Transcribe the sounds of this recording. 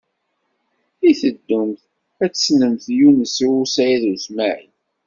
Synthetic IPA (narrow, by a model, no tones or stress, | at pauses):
iθəd̪ːumθ | æt͡sːsnəmθjunəsiwusæjðusmaʕḭ